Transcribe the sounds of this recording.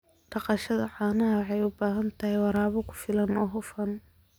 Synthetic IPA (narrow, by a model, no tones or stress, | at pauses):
ɖ̥ɑqɑʃɐðɐʕɑːnɐɦɐħɑjʊbaːɦɐnt̪ʰɐhɛjwɑɾaːβɔkʰʊ̥fɪlɐnɔːɦʊfɐn